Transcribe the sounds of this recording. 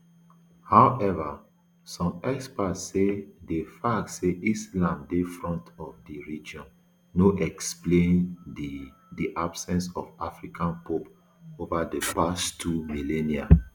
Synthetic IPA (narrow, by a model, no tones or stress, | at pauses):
hawʔɛva | sɔ̃mɛkspasedefak̚tseʔislãmdefɹɔ̃ntɔfdiɹid͡ʒɔ̃nː | oʔɛksplẽn | diʔabsɛ̃nsɔfafɹikʰãnpop | ovadepastʰumilɛnia